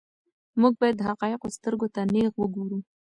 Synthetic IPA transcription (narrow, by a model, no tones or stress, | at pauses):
muɡ̚bɑjad̪ːəɦaqɑjɪqost̪əɾɡot̪aneɣwəɡoɾu